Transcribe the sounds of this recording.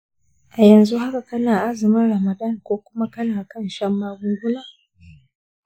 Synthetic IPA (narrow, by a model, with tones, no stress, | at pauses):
ʔa˨jɐ˨nzu˦ha˦ka˨kɐ˦naː˨ʔa˦zɪ˨mɪ˦nɾɐ˨ma˨dɐ˦˨ŋkʷoː˦kʷʊ˦ma˦kɐ˦naː˨kɐ˦˨nʃɐ˦mːaː˦ɡʷu˦ɡʷʊ˦laː˦˨